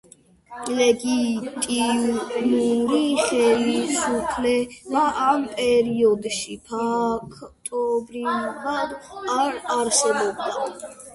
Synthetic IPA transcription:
lɛɡit̪ʼimuɾiχɛlisupʰlɛmaʔampʼɛɾiɔd̪ʃipʰakʰt̪ʼɔbɾilvad̪aɾaɾsɛbɔb̚d̪a

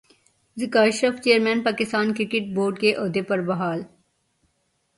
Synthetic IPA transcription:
zɪkaːʃɾəft͡ʃeːəɾmɛ̃ːnpaːkɪst̪aːnkɾɪkɪʈ̚boːɾɖkeʔoːd̪epɐɾbɐɦaːl

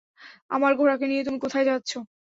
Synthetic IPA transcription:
a̰maɾɡʱoɾakeniet̪umikot̪ʰajd͡ʑatːɕʰo

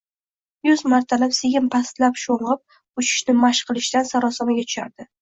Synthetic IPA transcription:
jʊzmaɾt̪ʰalapseɡʲɪmpʰast̪lapʃoɴʁɨp̚ | ʊt͡ʃʰɪ̥ʃnɪmaʃqʰɨlˠɪʃd̪ansaɾɒsamaɡʲat̪ʰʊ̥ʃa̰ɾd̪̥ɪ

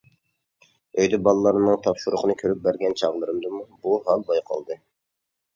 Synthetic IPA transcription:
øjd̪ɛbɑlˠɨlˠɑɾnnɨŋt̪ʰɑpʃuɾʊqʰənɨkʲʰøɾyp̚bæɾɡʲɛnt͡ʃʰɑʁlˠɨɾɨmd̪ɨmubuɦɑlˠbɑjqʰɑ̰lˠd̪ɨ

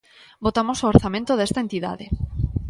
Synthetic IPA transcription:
bot̪amosooɾθamẽnt̪oðest̪aent̪iða̰ðe

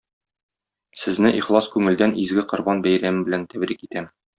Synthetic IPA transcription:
sɘ̆znɘʔiχlˠɑskʉŋɘ̆ld̪ænʔizɡɘqŏɾbɑnbæjɾæmɘbɘ̆lænt̪æbɾikit̪æm

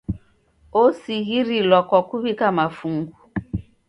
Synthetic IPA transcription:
osiɣiɾilɔkɔkuβikamafuŋɡu

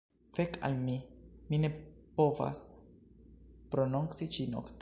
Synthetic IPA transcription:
feka̰lmimine̞po̞va̰s | pɾonuŋsit͡ʃino̰kt̪

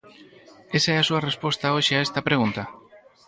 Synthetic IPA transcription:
e̞saeasuare̞spo̞st̪aoʃeaest̪apɾe̞ɣ̞unt̪a

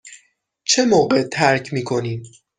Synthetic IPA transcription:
t͡ʃʰemoːɢet̪ʰæɾcʰmiːkʰo̞niːm

